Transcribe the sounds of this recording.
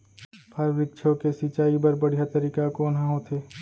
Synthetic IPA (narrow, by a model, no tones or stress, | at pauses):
pʰaɾɾɪt̪ːʃʰokesit͡ʃaːibɐɾbɐɽ̤ijat̪ɐɾiːkakoːnɦãɦoːt̪ʰeː